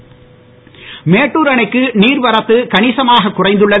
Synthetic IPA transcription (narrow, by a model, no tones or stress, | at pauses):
meːʈːuːɾɐɳɐɪkːɯniːɾʋɐɾɐt̪ːɯkɐɳɪsɐmaːɣɐkːʊrɐɪnd̪ɯɭːɐ